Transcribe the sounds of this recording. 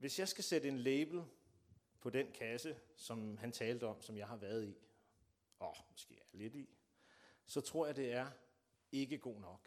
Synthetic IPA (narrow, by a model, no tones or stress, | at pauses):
ʋe̝sjɑ̈ɪsɡ̥æsedəe̝nleɪb̥l̩ | pʰɒ̽d̥enkʰæsəsɒ̽mɦænt͡sʰɛːld̥əɒ̽msɒ̽mjɑ̈ɪhɑ̈ʋæːɐð̞̩ˠi | ɒmɔsɡ̥e̝̰ːled̥i | sɒ̽t͡sʰʁo̝ɐ̰jɑɪde̝æɐ | e̝ɡ̥əɡ̥o̝̰ːnɒ̽ɡ̥